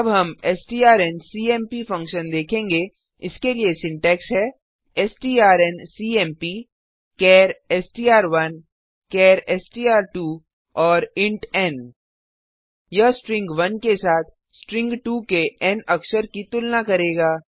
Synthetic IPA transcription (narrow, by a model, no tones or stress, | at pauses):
ɐbɦɐmɛːsʈiːaːɾɛːnsiːɛːmpifɐ̃ŋkʃənd̪eːkʰẽːŋɡe | ɪskeliesɪ̃ɳʈɛːksɦɛː | ɛsʈiːaːɾɛnsiːɛːmpi | kɛːɾɛsʈiːaːɾʋɐn | kɛːɾɛːsʈiːaːɾʈuː | ɔːɾɪ̃ɳʈɛːn | jɐɦsʈɾɪ̃ŋɡʋɐnkesaːt̪ʰ | sʈɾɪ̃ŋɡʈuːkeɛnɐkʃəɾkit̪ʊlnakɐɾeːɡaː